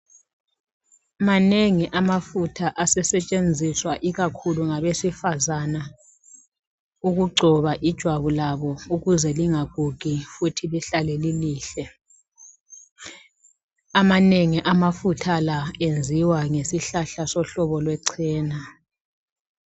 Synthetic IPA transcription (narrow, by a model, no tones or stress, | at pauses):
maneŋiʔamafutʰaʔasɛsɛt͡ʃʼend͡zʱiswaʔiɣakʰuluŋaβesifazana | uɣuɡ͡ǀʱɔβaʔid̥ʒ̥ʱwaβulaβɔuɣuzɛliŋaɣʱuɣ̬ʱifutʰiliɬalɛliliːɬɛ | amaneŋiʔamafutʰalaend͡zʱiwaŋesiɬaɬasɔɬɔβɔlwɛǀʰɛːna